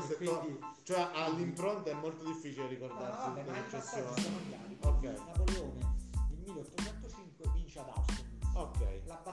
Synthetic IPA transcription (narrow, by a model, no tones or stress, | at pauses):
sek̪ːoit͡ʃoɛʔalːimpɾont̪aɛmːolt̪od̪ifːiːt͡ʃileɾikord̪aɾsiuelet͡ʃːesːjoːnamaiokːɛjnapoleoːned̪elmiːleot̪ːot͡ʃɛnt̪ot͡ʃiŋkwevint͡ʃead̪a̰wseokːɛ̰jlaba